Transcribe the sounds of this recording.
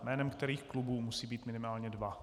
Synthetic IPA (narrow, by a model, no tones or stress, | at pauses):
mɛːnɛmkt̪ɛɾiːxklubuːmusiːbiːt̪mɪnɪmaːlɲɛdva